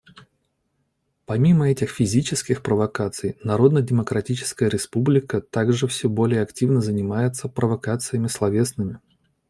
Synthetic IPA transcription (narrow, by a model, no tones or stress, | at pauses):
pɐmʲiməɛtʲɪxfʲɪzʲit͡ɕɪskʲɪxpɾəvɐkat̪sɨjnɐɾo̞d̪nədʲɪməkɾɐtʲit͡ɕɪ̥skəjəɾʲɪspublʲɪkət̪aɡʐɨfsʲɵbo̞lʲɪjəɐktʲivnəzənʲɪmajɪt̪səpɾəvɐkat̪sɨjəmʲɪslˠɐvʲesnɨmʲɪ